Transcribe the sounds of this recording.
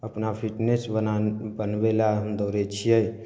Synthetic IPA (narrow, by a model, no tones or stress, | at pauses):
əpnapʰiʈnesbənabənbelaənd̪oɾɛt͡ʃʰijəj